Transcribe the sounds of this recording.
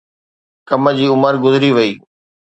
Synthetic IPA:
kɐmə̆d͡ʑiːʊməɾɡʊzɪɾiʋɐiː

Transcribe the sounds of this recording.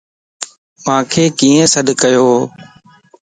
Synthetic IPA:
mãːkʰeːkiːẽsəɗ̪kəjoː

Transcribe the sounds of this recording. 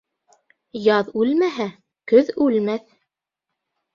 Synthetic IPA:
jɑðʉlmæɦæ | kɵðʉlmæθ

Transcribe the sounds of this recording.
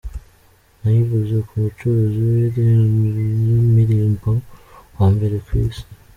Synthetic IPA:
najiβuzekʰumut͡ʃoɾoziweɾe | nomiɾiːmbowaːmbe̞ɾekwiːsi̥

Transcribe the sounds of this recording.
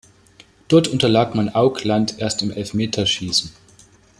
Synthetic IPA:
d̥ɔɐtʔʊntɐlaːkmanʔaʊklantʰʔeːɐstɪmʔɛlfmeːtʰɐʃiːsn̩

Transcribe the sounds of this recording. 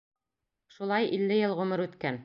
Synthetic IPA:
ʃulˠɑjʔilːɘjɤlˠʁɵ̆mɤɾʉt̪kæn

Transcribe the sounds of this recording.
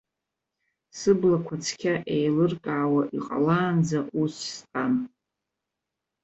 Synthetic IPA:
sɨblakʷʰat͡sʰkʲʰaʔejlɨrkʼaːwaʔiqʼa̰laːnd͡zaʔusstʼan

